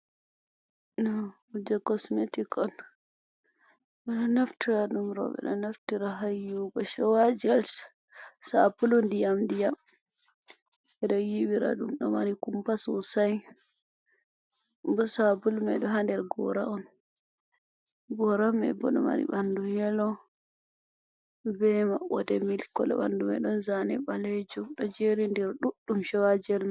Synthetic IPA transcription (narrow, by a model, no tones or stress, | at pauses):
nɔ | ud͡ʒɛkɔsmetikɔn | bɛɗɔnaftiɾaɗumɾɔ̰ɓɛ̰ɗɔnaftiɾaɦajːuɡɔʃɔwad͡ʒals | sabulɔndijamdijam | ɛɗɔjiwiɾa̰ɗumɗɔmaɾikumpasɔsaj | bɔsabulmɛɗɔɦandɛɾɡɔ̰ɾaɔn | ɡɔɾamɛ̰bɔ̰ɗɔ̰ma̰ɾḭɓandujɛlɔ | bɛmawɔdɛmilkɔlɔ̰ɓa̰ndumɛ̰ɗɔnzanɛɓalɛd͡ʒuɗɔd͡ʒeɾindɛɾɗuɗːumʃɔwad͡ʒɛlma